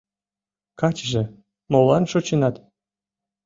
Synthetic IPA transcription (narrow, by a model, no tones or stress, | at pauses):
kɑt͡ɕʒĕ | molɑnʃot͡ɕinɑt̪